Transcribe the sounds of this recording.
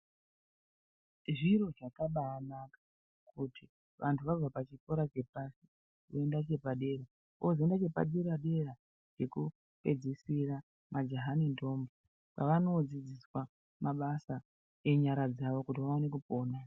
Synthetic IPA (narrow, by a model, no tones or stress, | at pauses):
ʐiro̞ʐakaɓaːnakḁ | kʰuti | ʋantʰuʋab͡vʱapat͡ʃiko̞ɾat͡ʃe̞pasi̥ | ʋoendat͡ʃe̞paɗe̞ɾa | ozoendat͡ʃe̞pa̰ɗeɾaɗe̞ra | d͡ʒe̞ku | pe̞̰d͡zisira | mad͡ʒaɦaninto̞ːmbo | pa̰ʋano̞d͡zid͡ziswa | maɓasa | e̞ɲaɾad͡zaʋo̞kutiʋaonekupo̞ːna